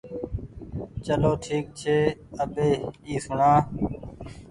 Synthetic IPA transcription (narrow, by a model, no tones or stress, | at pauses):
t͡ʃəloːʈʰiːk̚t͡ʃʰeːəbeːiːsʊɳãː